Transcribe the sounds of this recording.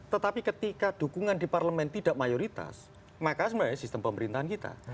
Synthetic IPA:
t̪ət̪apikət̪ikad̥ukuŋandiparləmɛnt̪id̥aʔmajoɾit̪a̰s | makasəmaasist̪əmpəməɾint̪aɦankit̪a̰

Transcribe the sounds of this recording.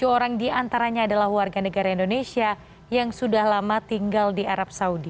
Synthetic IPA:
d͡ʒoɾaŋdiant̪aɾaɲaːdalahwarɡanəɡaɾaindonesia | jaŋsudahlamat̪iŋɡaldiaɾap̚saudi

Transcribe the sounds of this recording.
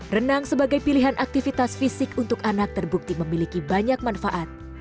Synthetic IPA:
rənaŋsəbaɡajpiliɦanʔak̚t̪ifit̪asfisɪkunt̪ʊkanak̚t̪ərbuk̚t̪iməmilikibaɲak̚manfaʔat̪̚

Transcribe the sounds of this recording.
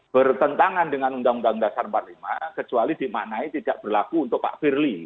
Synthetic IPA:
b̥ərt̪ənt̪aŋandəŋanundaŋundaŋdasarəmpat̪̚lima̰kət͡ʃualid̥i̤ma̰ʔnait̪id̥aʔb̥ərlakuːnt̪ʊk̚pa̰ʔfirli

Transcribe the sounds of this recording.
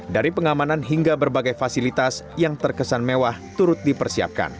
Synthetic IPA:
daɾipəŋamananɦiŋɡabərbaɡajfasilit̪asjaŋt̪ərkəsanmewaht̪uɾʊt̪̚dipərsia̰p̚ka̰n

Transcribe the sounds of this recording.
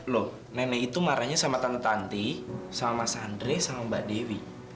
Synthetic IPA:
lɔh | nɛnɛɦit̪umaɾaɲasamat̪ant̪t̪ant̪isamamasandɾesamambaʔdewi

